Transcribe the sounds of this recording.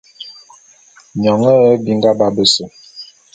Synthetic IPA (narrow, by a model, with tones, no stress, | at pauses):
ɲɔ˨ŋə˦ə˦bi˦ŋ˦ɡa˦ba˦bə˦sə˨